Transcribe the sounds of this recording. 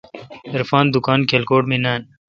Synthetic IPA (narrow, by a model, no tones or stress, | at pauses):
iɾfɑːnd̪ukɑːnkʰelkoːʈminaːn